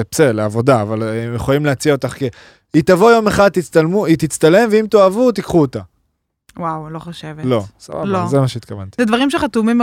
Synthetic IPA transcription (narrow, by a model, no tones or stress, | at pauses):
epseleavo̞d̪aːvalemjeχojimleat͡siao̞t̪aχke | it̪avo̞jo̞meχad̪̚t̪it͡st̪almuit̪it͡st̪ale̞mveimt̪oavut̪ikχuot̪a | wawloχoʃevelo̞sa̰ba̰lbozemaʃeit̪kava̰nt̪i̥zed̪vaʁimʃeχat̪umim